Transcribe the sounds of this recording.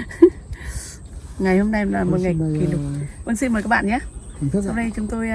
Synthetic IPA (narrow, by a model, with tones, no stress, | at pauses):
ŋa˨˩jho˧mna˧jlaː˨˩mo˨˩t̚ŋa˨˩jki˨˩ɗʊ˨˩ku˧nsi˧nmə˨˩jkaː˦˥ɓa̰ː˧˨ɲaː˧˦sa˧wɗə˧jt͡ɕʊ˨˦ŋ͡mt̪o˧j